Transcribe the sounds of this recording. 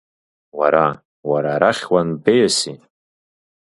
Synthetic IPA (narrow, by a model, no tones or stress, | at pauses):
waɾa | waɾaɾaχʲwanbejasi